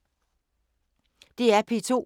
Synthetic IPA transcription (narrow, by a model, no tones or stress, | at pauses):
d̥e̝æɐpʰe̝t͡sʰo̝̰